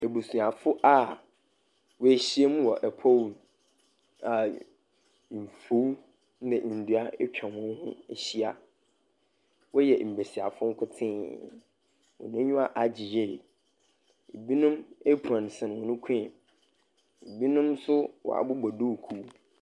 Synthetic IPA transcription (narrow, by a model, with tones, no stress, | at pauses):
e˨bo˨sũ˨a˨fʊ˦ʔa˦ | wɔ˨˦e˨ɕi˦e˦mũ˦wɔ˨ʔɛ˨pʰɔ˦wn˨ | a˨ | m̩˨fo˨˦w | nɛ̃˨ʔn̩˨du˨˦a˦ɛ˦t͡ɕᶣã˨mʊ̃˦n˦hʊ̰̃˦e˨ɕi˦a˨ | wɔ˦jɛ˨m̩˨be˨si˨a˨fʊ̃˦ŋ̩˦kʰʊ˦tʰɪ̃˦ | wɔ̰˨nʊ̃˦ɲʊ̃˦a˨ʔa˨d͡ʑi˨je˦˨ | e˨bi˦nʊ̃˦me˦pʰã˨n˨sɪ̃˨ñ˨wɔ̃˨nʊ̃˦kʷʰĩ˦˨ | e˨bi˦nʊ̃˦msʊ˦wɔ̰˨a̰˨bʊ˦ɡ͡bɔ˨dʊ˦˨kʰu˦